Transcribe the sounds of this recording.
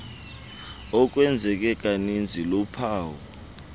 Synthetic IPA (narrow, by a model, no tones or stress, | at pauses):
ɔk̬ʼwɛnd͡zʱɛk̬ʼɛk̬ʼanind͡zʱilɔpʰaːwɔ